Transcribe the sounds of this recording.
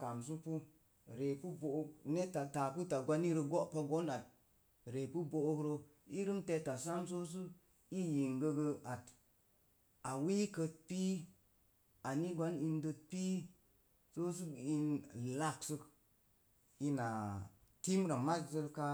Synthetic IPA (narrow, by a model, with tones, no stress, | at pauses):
ka˨ms̬u˦pu˦ | ɾe˨pu˦bo˨o˦ne˦ta˨ta˨pu˦ta˨ɡʷa˦ni˦ɾə˧ɡo˦ʔpa˧ɡo˦na˨t̚ | ɾe˨pu˦bo˨o˦kɾo˧ | i˦ɾɨ˦mte˧ta˨sa˦ms̬o˦s̬u˦ | i˦ji˨ŋɡə˧ɡə˧a˨t | a˨wi˦kə˧t̚pi˦ | a˨ni˦ɡʷa˦ni˧ndə˧t̚pi˦ | so˦s̬u˦i˧nla˦ksɨ˧k | i˧na˨ | ti˦m˦ɾa˨ma˦szə˦˧ɾka˧